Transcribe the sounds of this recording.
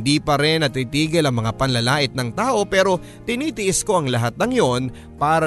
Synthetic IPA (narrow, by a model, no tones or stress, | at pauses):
nd̪iːpɐɾɪnːɐt̪it̪iːɡɪlɐŋmɐŋapɐnlɐlaːʔɪt̪̚nɐŋt̪aːʔo̞pɛːɾo̞ | t̪ɪniːt̪ɪʔɪsko̞ʔɐŋlɐɦat̪̚nɐŋjo̞n | paːɾɐ